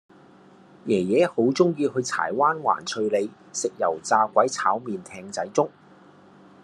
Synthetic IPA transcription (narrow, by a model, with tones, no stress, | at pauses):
jɛː˨˩jɛː˨˥ho˨˥wt͡sʊ˥ŋjiː˧hɵ˨˧ɥtʰa̰ː˨˩jwaː˥nwa̰ː˨˩nt͡sʰɵ˧ɥle˨˧j | sɪ˨k̚jɐ̰˨˩wt͡saː˧kʷɐ˨˥jt͡sʰaː˨˥wmiː˨˧nt̪ʰɛː˧ŋt͡sɐ˨˥jt͡sʊ˥ŋ